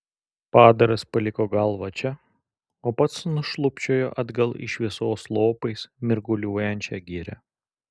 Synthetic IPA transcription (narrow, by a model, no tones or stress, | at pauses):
pɑːd̪ɐɾɐspɐlʲɪkoːɡɐlˠʋɐt͡ʃʲɛ | oːpɐt̪snʊʃlˠʊpʲt͡ʃʲoːjo̰ːʔɐd̪ɡɐlˠɪ̰ʃʋʲiɪɛsoːslˠoːpɐɪsmʲɪɾɡʊlʲuɔjɛnʲt͡ʃʲɛːɡʲɪɾʲɛ̰